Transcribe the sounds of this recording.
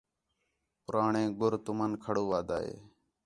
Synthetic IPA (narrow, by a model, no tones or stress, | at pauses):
pʊɾaːɳẽːɡʊɾt̪ʊmənkʰəɽuːʋaːd̪a̰ːɦḛː